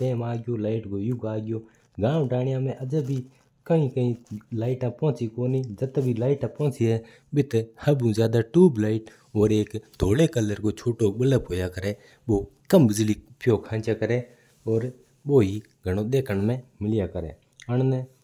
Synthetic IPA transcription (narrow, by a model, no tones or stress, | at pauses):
ʈeːmaːɡɪjoːlaːɪʈɡoːjʊɡaːɡɪjoː | ɡãːʋɖaːɽɪjãːmẽːʔəd͡ʒəbʱiː | kəĩːkəĩːlaːɪʈãːpõːt͡siːkoːniːd͡ʒət̪bʱiːlaːɪʈãːpõːt͡siːɛː | ɓɪt̪həbũːzjaːd̪aːʈuːblaːɪʈ | oːɾeːkd̪ʱoːleːkəlːəɾɡoːt͡ʃʰoːʈoːɓələpɦoːjaːkəɾeː | ɓoːkəmbɪzliːpjoːkʰãːnt͡ʃaːkəɾeː | oːɾ | ɓoːɦiː | ɡʱəɽ̃oːɗ̪eːkʰəɳmẽːmɪlɪjaːkəɾḛː | əɳneː